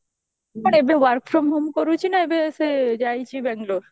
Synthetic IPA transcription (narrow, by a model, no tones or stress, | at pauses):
maɳebeʋaɾkfɾombʱomkoɾut͡ɕʰinaebesed͡ʒajt͡ɕʰibɛŋɡloɾ